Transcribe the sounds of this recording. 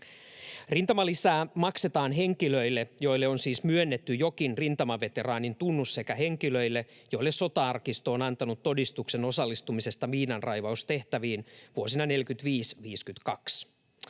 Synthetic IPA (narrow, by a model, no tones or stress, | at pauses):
rint̪ɑmɑlisæːmɑkse̞t̪ɑːnɦe̞ŋkiløilːe̞jo̞jlːeonsiːsmyønːet̪ːyjo̞kinrint̪ɑmɑʋe̞t̪e̞ɾɑːnint̪unːusse̞kæɦe̞ŋkiløilːe | jo̞ilːesso̞t̪ɑɑrkist̪o̞ːnɑnt̪ɑnut̪ːo̞dist̪ukse̞no̞sɑlːist̪umise̞st̪ɑʋiːnɑnrʔɑjʋɑust̪e̞ht̪æʋiːnʋuo̞sinɑne̞lkyt̪ʋiːsʋiːskyt̪kɑks